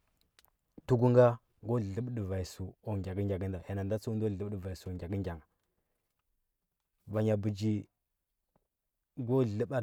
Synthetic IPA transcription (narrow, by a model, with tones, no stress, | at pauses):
tu˦ɡu˦ŋɡa˦ | ɡo˦˨ɬə˦bɗva˨i˨su˨o˨ŋɡʲa˨ɡə˦ŋɡʲa˨ɡə˦nda˨ja˨na˨n˨da˦t͡su˦u˦n˦do˦˨ə˦bdə˨va˨i˨su˨o˨ŋɡʲa˨ɡə˦ŋ˦ɡʲa˨ŋa˨ | va˨ɲa˨bu˨d͡ʒi˦ | ɡo˦˨ɬə˦ɓa˦